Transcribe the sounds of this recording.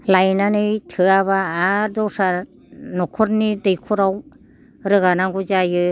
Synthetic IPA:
lajnanɯjtʰɯaβaːdɔwsa | nɔkʰɔɾnidɯjkʰuɾaw | ɾɯɣanaŋɡuzajɯ

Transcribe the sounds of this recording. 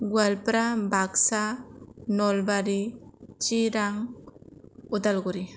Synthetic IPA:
ɡwalpɾabaksanɔlbaɾit͡ʃiɾaŋ | ud̪alɡuɾi

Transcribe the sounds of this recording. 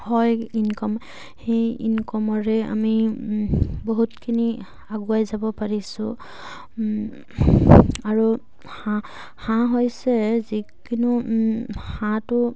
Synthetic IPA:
hɔjinkɔm | hejḭnkɔmɔɹɛa̰mi | boɦutkʰini | aɡuajzabɔpaɹisʊ̃ | aɹu | hã | hãɦɔjsɛzi | kinu | hãtʊ

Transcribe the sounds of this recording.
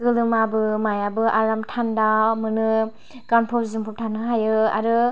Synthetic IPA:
ɡɯlɯmabɯmajabɯʔaɾamtʰandamɯnɯ | kanpʰɔzizɯmpʰɔp̚tʰanɯɦajɯa̰ɾɯ

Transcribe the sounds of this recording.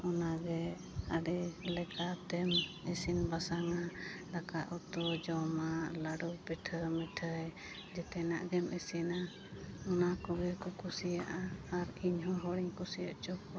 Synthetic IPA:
ɔnaɡɛ | aɖɛlɛkat̪ɛmɛsinbasaŋadakaʔɔt̪ɔd͡ʒɔmalaɖɔbɛʈʰəmɛʈʰəj | d͡ʒɛt̪ɛnaʔɡɛmɛsina | ɔnakɔɡɛkɔkusijaʔaːɾiɲɦɔɦɔɽiɲkusijaʔt͡ʃɔkɔ

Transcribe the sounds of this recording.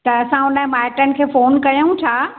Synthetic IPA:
t̪ɐɐsãʊnə̃maːɪʈənɪ̆kʰeːfoːnkɐjũtʰaː

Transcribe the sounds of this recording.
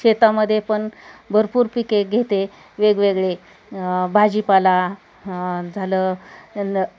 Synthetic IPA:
et̪aməd̪ʱːjepəɳbʱəɾpuːɾpikeɡʱet̪e | ʋeɡʋeɡɭe | bʱad͡ʑipala | d͡zʱaləː

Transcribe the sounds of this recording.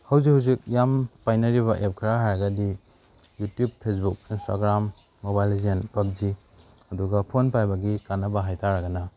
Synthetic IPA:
hɐwzikhawzik̚jampajnɐɾiβɐʔep̚kʰɐɾaɦajɾɐɡɐdi | jutjub̚pʰːes̬buk̚instʰaɡɾamː | obajlzenpɐp̚d͡ʒi | ɐduɡɐpʰonpajbɐɡikanːɐbɐɦajtaɾɐɡɐnɐ

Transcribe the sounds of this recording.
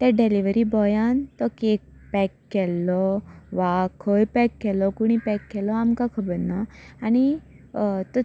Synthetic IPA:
t̪aɖeliʋəɾibɔjant̪ɔkek̚pɛkːɛlːɔʋakʰəjpɛkːɛlɔkuɽ̃ipɛkːɛlɔamkakʰəbəɾnaːñi | t̪ɔ

